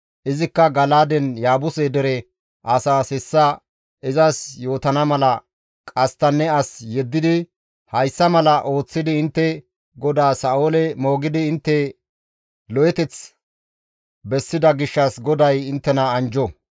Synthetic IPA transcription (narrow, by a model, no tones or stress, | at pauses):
ʔɪzɪkːɐɡɐlaːd̪ɛnjaːbʊsɛd̪ɛɾɛ | ʔɐsaːsɛsːɐ | ɪzɐsjo̞ːt̪ɐnɐmɐlɐ | kʼɐst̪ːɐnːɛɐsjɛd̪ːɪd̪ɪ | hɐjsːɐmɐlɐʔo̞ːt͡sːɪd̪ɪɪnt̪ːɛ | ɡɔd̪aːsaːʔoːlɛmo̞ːɡɪd̪ɪːnt̪ːɛ | lɔjɛt̪ɛt͡s | bɛsːɪd̪ɐɡɪʃːɐsɡɔd̪ɐjɪnt̪ːɛnɐːnd͡ʒɔ